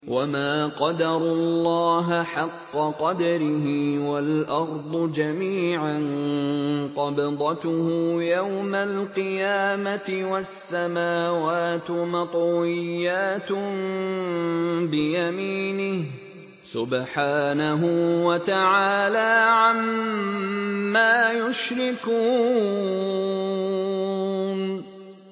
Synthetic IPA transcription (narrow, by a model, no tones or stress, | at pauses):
wʔamaːqɑd̪ɑɾˤʊlːɑːɦaħɑqːɑqɑd̪ɑɾɪɦɪwalʔɑɾˤd̪ˤʊd͡ʒamiːʕan | qɑbɑd̪ˤɑt̪ʊhʊjawmalqɨjaːmat̪ɪwasːamaːwaːt̪mɑt̪ˤwɪjːaːt̪ | bɪjamiːnɪh | sʊbħaːnaɦʊwat̪aʕaːlaːʕam | aːjʊʃɾɪkuː | n